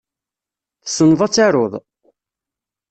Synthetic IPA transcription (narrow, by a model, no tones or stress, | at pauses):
θəsənːðˤɑt͡sːaɾoðˤ